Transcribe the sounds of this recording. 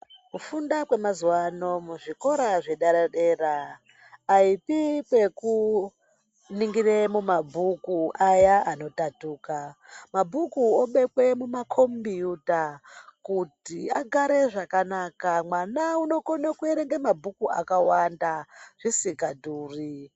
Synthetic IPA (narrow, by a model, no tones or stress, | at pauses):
kufundakwe̞mazuwano̞muʐiko̞ɾaʐe̞ɗaɾaɗeraː | ipipwe̞ku | niŋɡiremumabʱukuajaʔano̞tatuːkamabʱukuoɓe̞kwe̞mumakʰo̞mbijutakutiaɡʱaɾe̞ʐakanakamwanauno̞konakue̞ɾeŋɡemabʱukua̰kawandaʐ̥isikadʱuːri